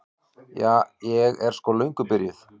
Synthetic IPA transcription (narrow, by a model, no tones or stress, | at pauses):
jaːjɛɣɛɾ̥skɔlœɥŋkʏpɪɾjɪθ